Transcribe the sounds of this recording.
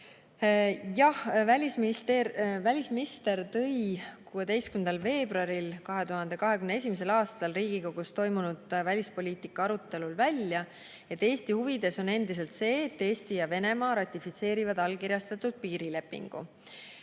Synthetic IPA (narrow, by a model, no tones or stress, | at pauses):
jɑhvælʲismt̪vælʲisminist̪e̞rt̪ɤ̞jkuːe̞d̪e̞jstkymnd̪̥ɑlve̞ːb̥rɑɾilkɑɦe̞t̪uhɑnd̪e̞kɑɦe̞kymnee̞sʲimese̞lɑːst̪ɑlriːɡ̥iko̞ɡ̥ust̪o̞jmunud̪̥vælʲispo̞lʲiːt̪ikːˑɑɑɾut̪ːˑe̞lulvælʲjɑ | e̞t̪ːe̞ːst̪ihuvid̪̥e̞so̞ne̞nd̪̥is̬e̞lt̪se̞ːt̪ːe̞ːst̪ijɑve̞ne̞mɑːɾɑt̪ʲˑːifit̪se̞ːɾivɑd̪ɑlkiɾʲjɑst̪ɑt̪ːˑud̪̥̚piːɾile̞pːˑḭŋɡ̥ṵ